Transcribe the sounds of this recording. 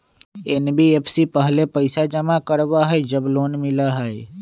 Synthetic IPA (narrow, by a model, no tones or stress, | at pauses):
enbiepʰsipəɦlepəɪsad͡ʒəmakəɾbaɦɛd͡ʒəbloːnmɪlaɦae